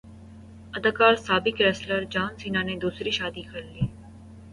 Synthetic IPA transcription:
əd̪əkaːlsaːbɪkɾɛːsləɾd͡ʒaːnsiːnãːned̪uːsɾiʃaːd̪ikʰɐɾleː

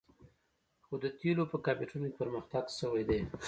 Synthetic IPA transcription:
xod̪ət̪elopəkɑpeʈunokepəɾməxt̪aɡsəwajd̪e

